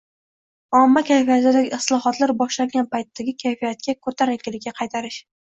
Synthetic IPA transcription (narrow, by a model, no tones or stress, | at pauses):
ɒmːakʲʰajfijat̪ɪd̪aɡʲɪɪslˠɒɦɒt̪laɾbɒʃlaɾɡʲanpajt̪ːaɡʲɪkʲʰajfijat̪̚kʲakʰɵɾt̪ʰaɾakʲɪlɪkʲːaqʰɑjt̪ʰaɾɪʃ